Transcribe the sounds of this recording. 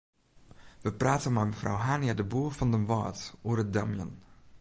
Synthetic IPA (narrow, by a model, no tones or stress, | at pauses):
ʋəpraːtənmɛməfra̰wɦaːnjadəbuəfɑndənʋɑ̰ːtoəɾədamjə̰n